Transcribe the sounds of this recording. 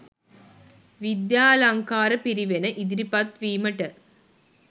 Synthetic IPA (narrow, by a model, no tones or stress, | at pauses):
ʋid̪jaːlɐŋkaːɾɐpiɾiʋɐnɐʔid̪iɾipɐt̪ʋiːmɐʈɐ